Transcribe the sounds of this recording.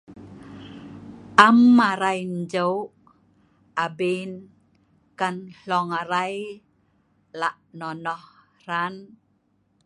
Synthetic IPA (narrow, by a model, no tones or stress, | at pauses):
ʔamːaɾajnd͡ʒəw | abin | kanɬɔŋaɾaj | laʔnɔnɔh | ran